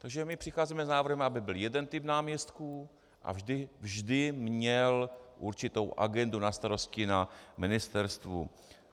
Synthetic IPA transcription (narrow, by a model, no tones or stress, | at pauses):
t̪aɡʒɛmɪpr̝̥ɪxaːziːmɛznaːvr̩ɦɛmabɪbɪljɛdɛnt̪ɪpnaːmɲɛst̪ku | ʔa̰vʒdɪvʒdɪmɲɛlʔuɾt͡ʃɪt̪owʔa̰ɡɛndunast̪aɾo̞scɪnamɪnɪst̪ɛɾst̪vṵ